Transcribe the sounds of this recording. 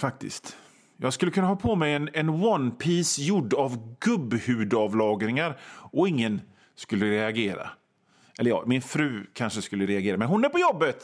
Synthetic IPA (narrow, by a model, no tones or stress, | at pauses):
fak̚t̪ɪ̰skt̪ | jɑːɡskɵlːəkʰɵnːaɦhɑːpʰɔmɛjɛnɛnwɔnpʰiːsjʊɖːavɡɵbːhʉ̟ːd̪ɑvlɑːɡɾɪŋaɾɔɪŋːən | skɵlːəɾɛaɡeːɾa̰ | ɛlːəɾjɑ̰ːɡmɪnfɾʉ̟ːkʰanʂəskɵlːəɾɛaɡeːɾamɛnɦʊnæɾpɔjɔbːət̪